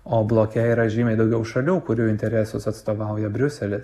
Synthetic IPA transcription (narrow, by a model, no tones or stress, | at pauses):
oːblˠoːkʲɛiɾɐʒʲiːmʲɛɪd̪ɒʊɡʲɛʊʃɐlʲuːkʊɾʲuːɪnʲt̪ʲɛɾʲɛsʊsɐt̪st̪oːʋɑʊjɛbʲɾʲʊsʲɛlʲɪs